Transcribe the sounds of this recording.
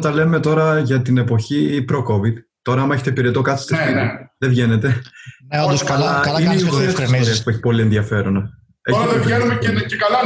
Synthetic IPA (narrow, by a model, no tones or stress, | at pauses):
t̪ɐle̞me̞t̪o̞ɾɐʝɐt̪ine̞po̞çipɾo̞ko̞viðt̪o̞ɾɐɐmɐeçe̞t̪epiɾe̞t̪o̞kɐt̪st̪isiðevʝe̞ne̞t̪e̞ooskɐlɐɐlineiɣoesnoɾiɐspueçi̥po̞lie̞nðiɐfe̞ɾo̞nɐ | eiɐenumeekɐlɐ